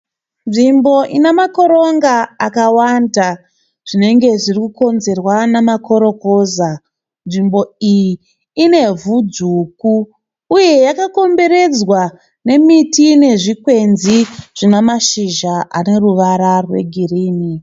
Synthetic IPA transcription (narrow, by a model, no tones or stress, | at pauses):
nʐimbo̞ʔinemako̞ɾo̞ŋɡaakawanda | ʐ̥ine̞ŋɡe̞ʐirikuko̞nze̞rwanemako̞ɾo̞ko̞ːza | nʐimbo̞ijjiː | ne̞vud͡zukuː | je̞jakako̞mbe̞ɾe̞d͡zwa | ne̞mitine̞ʐikwe̞nziʐ̥inemaʃiʒaʔa̰ne̞ruʋaɾarwe̞̰ɡʱiriːni